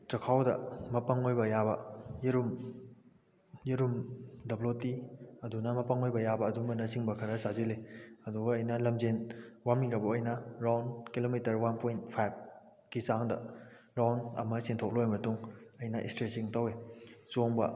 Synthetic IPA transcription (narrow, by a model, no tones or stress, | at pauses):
t͡ʃɐkʰawdɐ̰mɐpɐŋojbɐjabɐjiɾum | jiɾumdɐblotiɐdunɐmɐpɐŋojbɐjabɐːdumbɐnɐsiŋbɐkʰɐɾɐsazileɐduɡɐːjnɐlɐmzenwamiɡɐbɐojnɐɾawnkilomitɐɾwanpʰojnt̚pʰajb̚ | kisaŋdɐ̰ | ɾawnɐ̰mɐsintʰok̚lojmɐtuŋɐjnɐʔḭstɾesiŋtɐwet͡ʃoŋbɐ̰